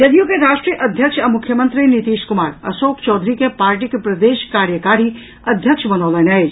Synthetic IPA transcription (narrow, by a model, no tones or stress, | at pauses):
j̪ɐd̪ijõkeɾaːʃʈɾijəʔɐd̪ʱjəkʃamʊkʰːjəmə̃nt̪ɾinit̪iːʃkʊmaːɾɐ̰soːkt͡ʃɔːd̪ʱɾikepaːɾʈikepɾɐd̪eːʃkaːɾjəkaːɾi | ɐd̪ʱjəkʃbɐnɔːlɐnɐe